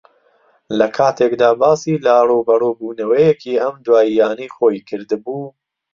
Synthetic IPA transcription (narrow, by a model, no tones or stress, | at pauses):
lɐkʰaːt̪ʰekd̪aːbaːsiːlaroːbɐroːbuːnɐwɐjekʰiɐmd̪waːijaːnijxoːjkʰɨɾd̪ɨbuː